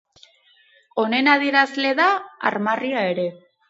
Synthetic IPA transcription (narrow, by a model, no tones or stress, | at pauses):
o̞ne̞naðiɾazle̞ðaa̰ɾmariae̞ɾe̞